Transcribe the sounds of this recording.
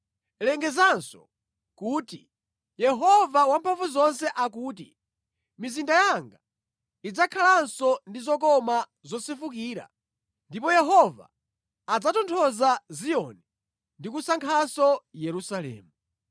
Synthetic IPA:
lɛŋɡɛzansɔ̥̰ | kuːti | jɛɦɔvawampʰaɱvuzɔnsɛʔakuːt̬i | mizindajaŋɡa | id͡zakʰalansɔndizɔk̬ɔma | zɔsifukiːɾa̰ | ndipɔjɛɦɔva̰ː | d͡zatɔntʰɔzazijɔ̰nɛ | ndikusaŋkʰasɔjɛɾusalɛ̰ːmu

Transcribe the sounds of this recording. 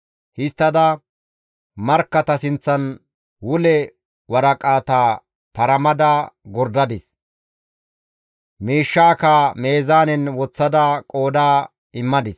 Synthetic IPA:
hɪst̪ːɐd̪ɐ | mɐɾkːɐt̪ɐsɪnt͡sːɐn | wʊlɛ | wɐɾɐkʼaːt̪aː | pɐɾɐmɐd̪aɡɔɾd̪ɐd̪ɪs | miːʃːaːkame̞ːzaːnɛnwɔt͡sːɐd̪ɐkʼo̞ːd̪aː | ɪmːɐd̪ɪs

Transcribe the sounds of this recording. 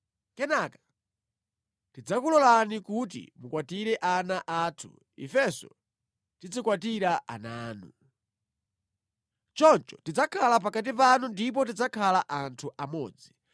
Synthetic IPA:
kɛnakḁ | tid͡zakulɔlanikut̬ḭmukwatiɾɛʔanaʔaːtʰṵ | ḭfɛsɔ̰ | tid͡zikwatiɾaʔa̰naːnu | t͡ʃɔnt͡ʃɔ̥tid͡zakʰalap̬akat̬ipanundip̬ɔtid͡zakʰalaʔantʰuʔamɔ̰ːd͡zi

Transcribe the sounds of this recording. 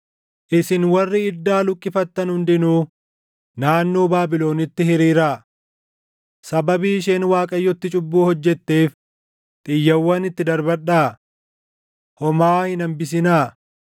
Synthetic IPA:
ʔɪsɪnwɐrːɪɪd̪ːaːlʊkʼːɪfɐt̪ːɐnhʊnd̪ɪnuː | naːnːo̞ːbaːbɪlo̞ːnɪt̪ːɪhɪɾiːɾaː | sɐbɐbiːʃ̬eːnwaːkʼɐjːɔt̪ːɪt͡ʃʼʊbːuːhɔd͡ʒːɛt̪ːe̞ːf | t̪ʼɪjːɐwːɐnɪt̪ːɪd̪ɐɾbɐɗaː | hɔmaːhɪnɐmbɪs̬ɪnaː

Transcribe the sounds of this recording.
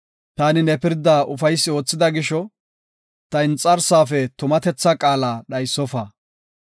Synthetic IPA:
t̪aːnɪnɛpɪɾd̪aːʔʊfɐjsːɪo̞ːt͡sːɪd̪ɐɡɪʃɔ | t̪ɐɪnt͡sʼːɐɾsaːfɛt̪ʊmɐt̪ɛt͡sːɐkʼaːlaːɗɐjsːɔfaː

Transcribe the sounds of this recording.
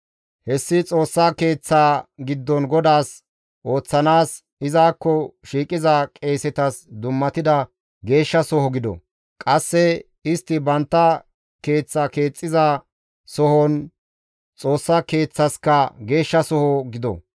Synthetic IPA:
hɛsːɪt͡sʼo̞ːsːake̞ːt͡sːaːɡɪd̪ːɔnɡɔd̪aːs | ʔo̞ːt͡sːɐnaːs | ɪzaːkːɔʃiːkʼɪzɐkʼe̞ːsɛt̪ɐsd̪ʊmːɐt̪ɪd̪ɐ | ɡe̞ːʃːɐsɔhɔɡɪd̪ɔ̰ | kʼɐsːɛ | ɪst̪ːɪbɐnt̪ːɐ | ke̞ːt͡sːɐke̞ːt͡sʼːɪzɐ | sɔhɔn | t͡sʼo̞ːsːɐke̞ːt͡sːɐskɐɡe̞ːʃːɐsɔhɔɡɪd̪ɔ̰

